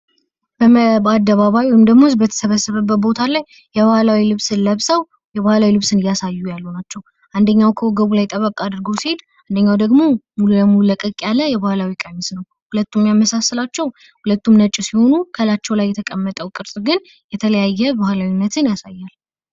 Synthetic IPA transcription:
bəad̪ːəβaβajwɔjmd̪əɡmosbət̪ʰə̥səβəsːɨβəbːət̪bo̞t̪ʰalaj | jɛβahlawilɨβsɨnləβsəw | jɛβahlawilɨβsɨnɨjːasajːujalːunat͡ʃːɛw | ʔand̪əɲːawkʰəwɔɡəβulajt̪ʼəβəkʼad̪ɨɾɡowsihe̞d̪ | ʔand̪əɲːawd̪əɡmo̞mululəmululəkʼəkʼjalːəjɛβahlawikʼəɲsnəw | hulət̪ːumːjaməsasːɨlat͡ʃːɛw | hulət̪ːumnət͡ʃʼːɪsiho̞nukʰəlat͡ʃːɛwlajːɛt̪ʰəkʼəmːət̪ʼəwkʼɨɾsʼɡɨn | jɛt̪ʰələjajːɛbahlawinːət̪ʰɨnjasajːal

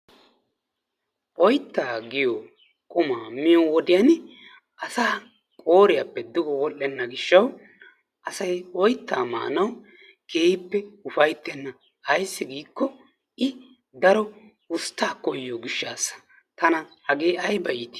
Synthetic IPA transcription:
ʔɔjt̪ːaːɡɪjoː | kʼʊmaːmɪjowɔd̪ɪjan | ɐsaː | kʼoːɾɪjɐpːɛd̪ɪɡɔwɔlːɛnːɐɡɪʃːɐw | ʔɐsɐjɔjt̪ːaːmɐ̰ʔɐ̰nɐw | keːhɪpːɛʊfɐjt̪ːɛnːɐ | hɐjsːɪɡiːkːɔ | ɪ | d̪ɐɾɔ | ʊst̪ːaːkɔjːoːɡɪʃːaːsɐ̥ | t̪ɐnɐhɐɡeːɐjbɐjt̪ɪ̥

